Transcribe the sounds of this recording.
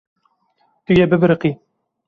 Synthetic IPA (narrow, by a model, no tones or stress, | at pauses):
t̪ujɛbɨbɨɾqi